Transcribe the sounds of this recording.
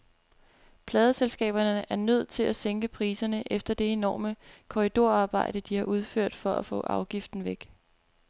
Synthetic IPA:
pʰlɛːð̞ˠəselsɡ̥ɛ̰ːb̥ɐnəʔæɐnøð̞̰ˠt͡sʰe̝læseŋɡ̥əpʰʁiːsɐnəʔefd̥ɐd̥e̝e̝nɒ̰ːməkʰo̝ʁid̥o̝ɐ̰ɑ̈ːb̥ɑ̈ɪ̰d̥əd̥ihɑ̈ʔuð̞ˠføɐ̰d̥fɒ̽ʔæfɔ̰̽ːʔɑ̈ʊɡ̥ifd̥n̩ʋeɡ̥

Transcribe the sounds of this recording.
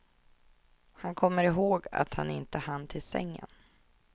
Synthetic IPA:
hankʰɔmːəɾɪɦoːɡa̰t̪hanɪnt̪əhant̪ʰɪlsɛ̰ŋːə̰n

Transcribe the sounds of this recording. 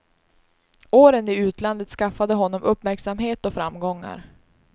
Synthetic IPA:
oːɾənɪʉ̟ːt̪land̪ət̪skafad̪əɦɔnːɔmɵpːmæɾksamɦeːt̪ɔfɾamːɡɔŋːa̰ɾ

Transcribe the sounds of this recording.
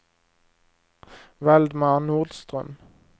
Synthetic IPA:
ʋɛld̪mɑʁnuːʁd̪st̪ʁœ̰m

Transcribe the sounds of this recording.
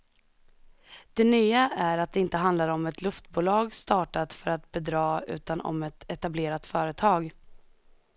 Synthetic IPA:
d̪̥ɛnyːaʔæɾat̪̚d̪ɛɪnt̪əɦand̪laɾɔmɛt̪ʰlɵft̪buːlɑːɡst̪ɑːʈat̪fœɾat̪bɛd̪ɾɑːʉ̟̰ːt̪anɔ̰mɛt̪ɛt̪ableːɾat̪fœːɾət̪ʰɑːɡ

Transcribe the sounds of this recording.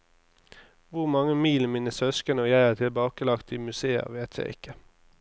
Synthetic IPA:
ʋʊʁmɑŋəmiːləmiːnəsœskənəojæɪæːʈ̪ʰɪlbɑːkəlɑkt̪iːmʉseːə̰ʁʋeːt̪ʰjæ̰ɪʔɪkʰːə

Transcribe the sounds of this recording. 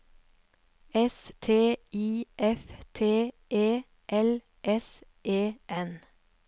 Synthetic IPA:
ɛst̪ʰeːiːʔɛft̪ʰeː | ʔeː | ʔɛl | ʔɛs | ʔeːʔɛn

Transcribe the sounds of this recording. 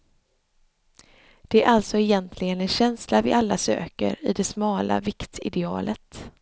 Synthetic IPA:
d̪̥ɛæɾʔalt̪sɔɛjɛnt̪ʰlɪɡənɛnɕɛnslavɪʔalːasø̰ːkə̰ɾɪ̰d̪ɛsmɑːla̰vɪkt̪ɪd̪ɛɑ̰ːlʔət̪

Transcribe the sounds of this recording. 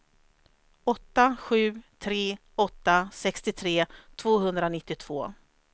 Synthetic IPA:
ɔt̪ːaɧʉ̟ːt̪ʰɾeː | ɔt̪ːasɛkst̪ɪt̪ʰɾeːt̪ʰvoːɦɵnd̪ɾanɪt̪ːɪt̪ʰv̥oː

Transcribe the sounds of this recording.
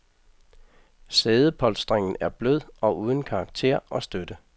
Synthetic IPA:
seːð̞ˠəpʰɒ̽l̰d̥sd̥ʁeŋ̰n̩æɐb̥løð̞̰ˠɒ̽ʔuːð̞ˠn̩kʰɑ̈ɑ̈ɡ̥̚t͡sʰe̝̰ɐ̰ɒ̽sd̥ød̥ə

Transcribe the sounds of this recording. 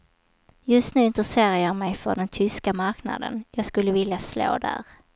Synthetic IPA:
jɵst̪nʉ̟ːɪnt̪ɾɛseːɾajɑːɡmɛjfœ̰ɖɛnt̪ʰʏskamaɾkna̰d̪ə̰njɑːɡskɵlːəvɪljaslo̰ːd̪æ̰ɾ

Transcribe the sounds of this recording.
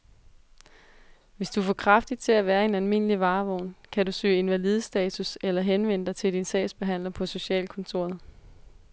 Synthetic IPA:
ʋe̝sd̥ufɒːkʰʁɑ̈fd̥id̥t͡sʰe̝læʋæːɐe̝nælme̝n̰əliʋɑ̈ːʋɒʊ̰nkʰæd̥usø̰ːɪe̝nʋælið̞ˠəsd̥ɛːt͡sʰuselɐɦenʋen̰əd̥ɑ̈ɪt͡sʰe̝ld̥insɛ̰ɪsb̥e̝ɦæn̰lɐpʰɒ̽so̝ɕɛ̰ːlkʰɔ̽nt͡sʰo̝̰ɐð̩ˠ

